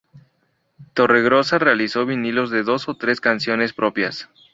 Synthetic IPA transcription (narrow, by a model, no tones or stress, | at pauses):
t̪o̞re̞ɣɾo̞sare̞aliso̞βinilo̞zðe̞ðo̞so̞t̪ɾe̞skansjo̞ne̞spɾo̞pja̰s